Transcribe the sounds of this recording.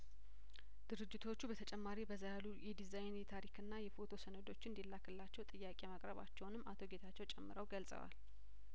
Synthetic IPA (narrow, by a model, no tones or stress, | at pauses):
d̪̥ɨɾɨd͡ʒːɪt̪ʰo̞t͡ʃːubət̪ʰət͡ʃʼɛmːaɾibəzajalujɛd̪izajnɛt̪ʰaɾikʰɨnːajɛfo̞t̪ʰo̞sənəd̪o̞t͡ʃːɪnd̪ilːakʰɨlːat͡ʃːɛwt̪ʼɨjːakʼemakʼɾəβa̰t͡ʃːɛwnɨmːʔat̪ʰo̞ɡe̞t̪ʰat͡ʃːɛwt͡ʃʼɛmːɨɾəwɡəlsʼə̰wa̰l